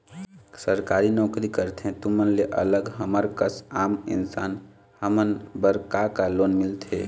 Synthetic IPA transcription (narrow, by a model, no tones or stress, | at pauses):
səɾkaːɾinɔːkɾikəɾt̪ɦɛ̃t̪ʊmənleʔə̰ləɡɦəməɾkəsaːmɪ̰nsaːn | həmənbəɾkakaloːnmɪlt̪ʰḛː